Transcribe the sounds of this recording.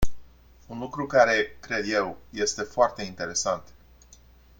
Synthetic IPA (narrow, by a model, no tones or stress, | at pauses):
unlukɾukaɾe̞kɾe̞d̪je̞wje̞st̪e̞foart̪e̞int̪e̞ɾe̞sant̪